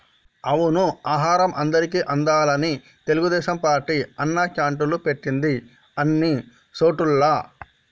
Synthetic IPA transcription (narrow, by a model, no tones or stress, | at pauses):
ɐʋunuaːɦaːɾɐmʔɐnd̪ɐɾikiːʔɐnd̪aːlɐni | t̪e̞luɡud̪ɛːʃɐmpaːɾʈːiːɐnːɐt͡ʃaːɳʈulupe̞ʈːind̪i | ɐnːi | so̞ːʈulːɐ